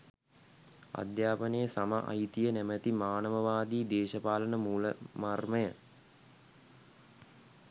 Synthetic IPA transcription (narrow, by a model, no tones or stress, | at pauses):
a̰d̪jaːpənəjəsama̰ʔa̰it̪ijənæmət̪imaːnəʋəʋaːd̪iːd̪eːʃəpaːlənəmuːləmarməjə